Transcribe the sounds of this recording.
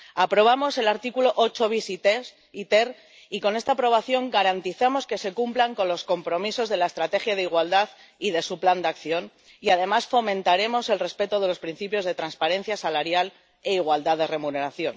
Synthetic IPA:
apɾo̞β̞amo̞se̞laɾt̪ikulo̞ʔot͡ʃo̞βisit̪e | it̪er | iko̞ne̞st̪apɾo̞β̞aθjo̞ŋɡaɾant̪iθemo̞ske̞se̞kumplaŋko̞nlo̞sko̞mpɾo̞miso̞zð̞e̞lae̞st̪ɾat̪e̞xjaðeiɣwald̪að | iðe̞supland̪akθjo̞n | iaðe̞masfo̞mẽnt̪aɾe̞mo̞se̞lrespe̞t̪oðe̞lo̞spɾin̟θipjo̞zð̞e̞t̪ɾanspaɾe̞n̟θjasalaɾjal | e̞iɣ̞wald̪aðe̞re̞mune̞ɾaθjo̞n

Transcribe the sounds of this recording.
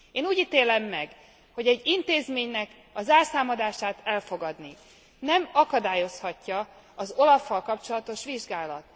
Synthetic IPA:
eːnuːɟiːt̪eːlɛmːɛɡ | ho̞ɟɛɟːint̪eːzmeːɲnɛk | ɒzaːrsaːmɒd̪aːʃaːt̪ɛlfo̞ɡɒd̪ni | nɛmɒkɒd̪aːjo̞shɒcːɒ | ɒzo̞lɒfːɒlkɒpt͡ʃo̞lɒt̪o̞ʃʋiʒɡaːlɒ̰t̪

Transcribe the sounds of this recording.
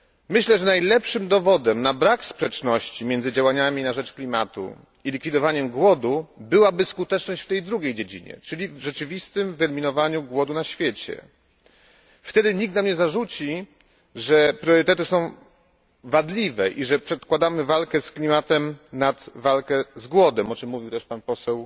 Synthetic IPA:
mɘɕlɛʐɛnajlɛpʂɘmd̪ɔvɔd̪ɛmnabɾakspʂɛt͡ʂnɔɕt͡ɕimʲjɛnd̪zɘd͡ʑawaɲamʲinaʐɛt͡ʂklʲimat̪ṵ | ilʲikfʲid̪ɔvaɲɛmɡwɔd̪ubɘwabɘskut̪ɛt͡ʂnɔɕt͡ɕft̪ɛjd̪ɾuɡʲejd͡ʑed͡ʑḭɲɛ̰t͡ʂɘlʲivʐɛt͡ʂɘvʲist̪ɘmvɛlʲmʲinɔvaɲuɡwɔd̪unaɕfʲjet͡ɕɛ̰ | ft̪ɛd̪ɘɲik̚t̪namɲɛzaʐut͡ɕi | ʐɛpɾʲjɔɾɘt̪ɛt̪ɘsɔ̃w̃ | vad̪lʲivɛʔiʐɛpʂɛt̪kwad̪amɘvalkɛsklʲimat̪ɛmnad̪valkɛzɡwɔd̪ɛmɔt͡ʂɘmːuvʲiwt̪ɛʂpanpɔsɛw

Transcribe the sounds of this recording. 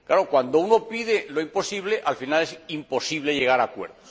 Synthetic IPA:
klaɾo̞kwand̪ouno̞piðeloimpo̞siβ̞leʔalfinalesimpo̞siβleʝe̞ɣ̞aɾakwe̞̰ɾðos

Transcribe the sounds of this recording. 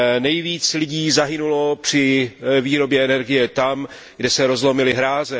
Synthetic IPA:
nɛjviːt͡slɪɟiːzaɦɪnulo̞pr̝̥ɪviːɾo̞bjɛɛnɛɾɡɪjɛt̪am | ɡdɛsɛɾo̞zlo̞mɪlɪɦɾaːzɛ

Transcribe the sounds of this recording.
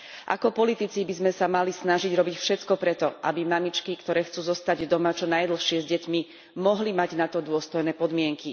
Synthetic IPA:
ʔa̰kɔpɔlit̪it͡sibizmɛsamalisnaʒiɟɾɔbicfʃɛt̪kɔpɾɛt̪ɔʔa̰bimamit͡ʃkikt̪ɔɾɛːxt͡suːzɔst̪aɟd̪ɔmat͡ʃɔnajd̪l̩xʃɪɛzɟɛcmi | mɔɦlimaɟnat̪ɔd̪ʊɔst̪ɔjnɛːpɔd̪mɪɛŋki

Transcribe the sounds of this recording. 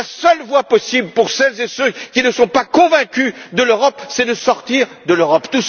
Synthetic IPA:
asœlvwapɔsibləpuʁsɛlzesøkʲinəsɔ̃pakɔ̃vɛ̃kʲyd̪əløʁɔpsɛd̪əsɔʁt̪iʁd̪əløʁɔpt̪us

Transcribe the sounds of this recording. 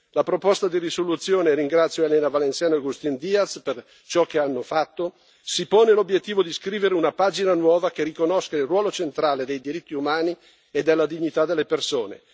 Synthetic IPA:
lapɾopost̪ad̪irisolut̪sːjoːneɾiŋɡɾat̪sːjoɛlenavalensjaːnoaɡust̪ind̪iat̪sper | t͡ʃɔk̟ːeanːofat̪ːo | sipoːnelobjet̪ːiːvod̪iskɾiːveɾeunapaːd͡ʒinanwɔːvakerikonoskailrwɔːlot͡ʃent̪ɾaːled̪ejd̪iɾit̪ːiumaːni | ed̪elːad̪iɲːit̪ad̪elːepersoːnḛ

